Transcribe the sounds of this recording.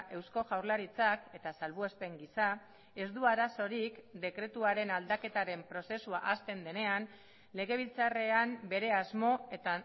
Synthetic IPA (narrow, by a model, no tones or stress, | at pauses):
ʔe̞wsko̞ɣawɾlaɾit͡sake̞t̪asalβuespe̞ŋɡisa | e̞zd̪uaɾaso̞ɾikd̪e̞kɾe̞t̪uaɾe̞nald̪ake̞t̪aɾe̞mpɾo̞se̞suaʔast̪e̞nd̪e̞ne̞an | le̞ɣ̞e̞β̞ilt͡sare̞ambe̞ɾe̞azmo̞e̞t̪a